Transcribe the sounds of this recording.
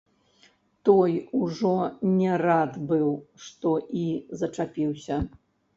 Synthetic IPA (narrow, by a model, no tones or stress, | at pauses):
t̪ɔjuʐɔnʲɛrad̪bɨwʂt̪ɔʔizɐt͡ʂapʲiwsʲɐ